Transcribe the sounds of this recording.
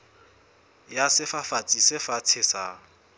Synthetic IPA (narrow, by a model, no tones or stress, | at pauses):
jasɪfafat͡sʼisɪfat͡sʰɪsa